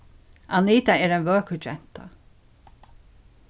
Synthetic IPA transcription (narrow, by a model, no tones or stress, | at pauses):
aniːt̪aɛːɾɛɪnʋøːkəd͡ʒɛn̥t̪a̰